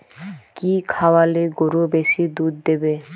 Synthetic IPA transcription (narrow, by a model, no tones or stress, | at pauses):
kikʰawaleɡoɾobeʃid̪ud̪d̪ebe